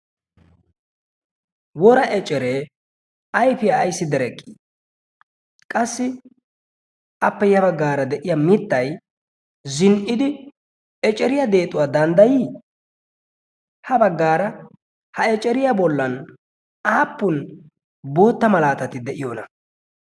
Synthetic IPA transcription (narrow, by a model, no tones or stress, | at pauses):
wɔɾɐʔɛt͡ʃʼːɛɾeː | ɐjfɪjaːjsːɪd̪ɛɾɛkʼːi̥ | kʼɐsːɪ | ʔɐpːɛjɐbɐɡːaːɾɐd̪ɛʔɪjɐmɪt̪ːɐj | zɪnʔɪd̪ɪ | ɛt͡ʃʼɛɾɪjɐd̪e̞ːt̪ʼʊwaːd̪ɐnd̪ɐjiː | hɐbɐɡːaːɾɐ | hɐɛt͡ʃʼɛɾɪjɐbɔlːɐn | aːpːʊn | bo̞ːt̪ːɐmɐlaːt̪ɐt̪ɪd̪ɛʔɪjonɐ